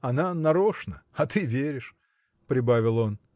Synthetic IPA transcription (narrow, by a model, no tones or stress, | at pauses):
ɐnanɐɾoʂnəɐt̪ɨvʲeɾʲɪʂ | pɾʲɪbavʲɪlˠo̞n